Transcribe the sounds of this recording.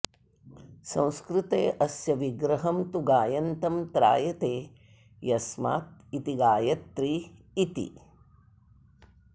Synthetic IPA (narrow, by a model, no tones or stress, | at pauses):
sɐ̃w̃skɾɪt̪eːʔɐsjɐʋiɡɾɐɦɐmt̪uɡaːjɐnt̪ɐmt̪ɾa̰ːjɐt̪eː | jɐsma̰ːt̪̚it̪iɡaːjɐt̪ɾiː | t̪ḭ